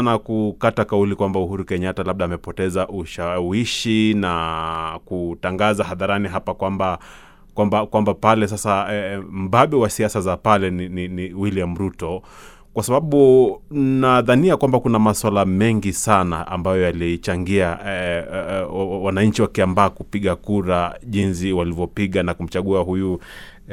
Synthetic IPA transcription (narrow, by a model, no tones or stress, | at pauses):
nakukatakaulikwambauɦuɾukɛɲatalaɓ̚ɗaːmɛpɔtɛzaʔuʃawiʃinakutaŋɡazahaðaɾaniɦapakwamba | kwambakwambapalɛs̬asaɛm̩baɓɛwasiasazapalɛnininiwiliamɾutɔ | kwasaɓaɓu | naðaniakwambakunamaswalamɛŋɡisanaʔa̰mbajɔjaliit͡ʃaŋɡia | wanaɲt͡ʃiwakiambaːkupiɠakuɾaʄins̬iwalivjɔpiɠanakum̩t͡ʃaɠuahuju